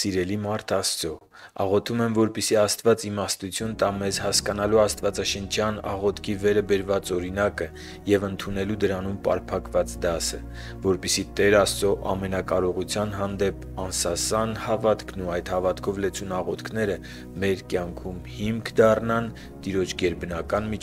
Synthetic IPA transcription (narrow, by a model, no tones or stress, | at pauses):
siɾɛlimɑɾt̪ʰɑst͡sɔ | ɑ̰ʁɔt̪ʰumɛmvɔɾpɛsiɑst̪vɑt͡simɑst̪ut͡sʰjunt̪ɑmɛzhɑskɑn̪ɑluɑst̪vɑt͡sɑʃənt͡ʃʰjɑnɑ̰ʁɔt̪ʰkʰivɛɾəbɛɾvɑt͡sɔɾinɑkə | jɛvənt̪ʰunɛlud̪əɾɑnumpɑ̰ɾpʰɑkvɑt͡sd̪ɑsə | vɔɾpɛsit̪ɛɾɑst͡sɔʔɑ̰mɛnɑkɑɾɔʁut͡sʰjɑnɦɑnd̪ɛp | ɑnsɑsɑnhɑvɑt̪kʰnuɑjt̪hɑvɑt̪kʰɔvlɛt͡sʰunɑʁɔt̪kʰnɛɾə | mɛɾkjɑŋkʰumhimkʰd̪ɑrnɑn | t̪iɾɔt͡ʃʰɡɛɾbənɑkɑnmi